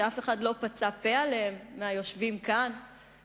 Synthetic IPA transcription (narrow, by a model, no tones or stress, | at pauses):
eafe̞χadlo̞pat͡sape̞alemːeajo̞ʃvimkan